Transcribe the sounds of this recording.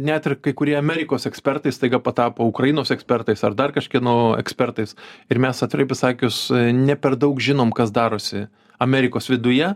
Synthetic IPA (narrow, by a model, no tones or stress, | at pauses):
nʲɛt̪ʲɪrkɐɪkʊɾʲiɛɐmʲɛːɾʲɪkoːsɛksʲpʲɛrt̪ɐɪst̪ɐɪɡɐpɐt̪ɑːpoːʊkɾɐjɪnoːsɛksʲpʲɛrt̪ɐɪsɐrd̪ɐrkɐʃʲkʲiɛnoɛ̰ksʲpʲɛrt̪ɐɪsɪɾmʲɛsɐt̪ɾɐɪpʲɪsɑːkʲʊsnʲɛpʲɛrd̪ɐʊkʒʲɪnoːmkɐs̬d̪ɑːɾoːsʲɪ | ɐmʲɛɾʲɪkoːsʋʲɪd̪ʊjɛ